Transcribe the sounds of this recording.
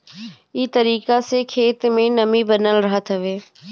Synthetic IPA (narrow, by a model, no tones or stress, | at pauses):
ɪt̪əɾiːkasekʰeːt̪mẽnəmibənəlɾəɦət̪ɦəʋeː